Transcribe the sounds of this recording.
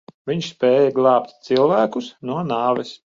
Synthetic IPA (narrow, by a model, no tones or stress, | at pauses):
vʲiɲspʲɛːjɛɡlˠɑːpt̪ʲt̪silˠvæːkusnuɔnɑːvʲɛs